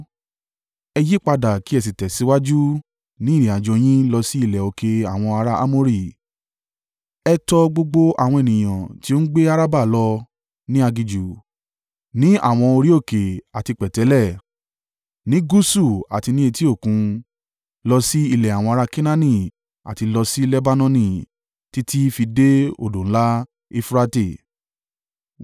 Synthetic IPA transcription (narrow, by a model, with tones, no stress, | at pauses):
ɛ˧ji˦k͡pa˧da˨ki˨˦ɛ˦˨s̬i˨tɛ˨si˨˦wa˦d͡ʒu˦ | nĩ˦ɾĩ˨a˨d͡ʒɔ˧j̃ĩ˦lɔ˧si˦i˦˨lɛ˨o˨ke˨a˨w̃ɔ̃˧a˧ɾa˦ʔa̰˦mo˦ɾi˦˨ | ɛ˧tɔ˧ɡ͡bo˧ɡ͡bo˦a̰˦˨w̃ɔ̃˧e˨nĩ˨j̃ã˨ti˦o˦n̩˦ɡ͡be˦a˦ɾa˦ba˦˨lɔ˧ | nĩ˦a˧ɡi˧d͡ʒu˨ | nĩ˦a̰˦˨w̃ɔ̃˧o˧ɾi˦o˦˨ke˨a˨ti˧k͡pɛ˨tɛ˨˦lɛ˦˨ | nĩ˦ɡu˦su˦˨a̰˨ti˧nĩ˦e˧ti˦o˦˨kũ˨˧ | lɔ˧si˦i˦˨lɛ˨a˨w̃ɔ̃˧a˧ɾa˧kĩ˦nã˦nĩ˦˨ | a̰˨ti˧lɔ˧si˦lɛ˦ba˦nɔ̃˦nĩ˦˨ | ti˦tʰi˦fi˧de˦o̰˦˨dõ˨˦la˦ | i˧fɾa˧te˦˨